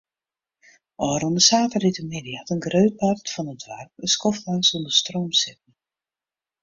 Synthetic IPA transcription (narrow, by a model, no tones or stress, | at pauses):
ʔɔːɾondəsaːtəritəmɪdiɑtənɡrøɥt̚partfɔnədʋɛ̰rp̚əskɔflaŋsondəstroːmsɪp̚n̩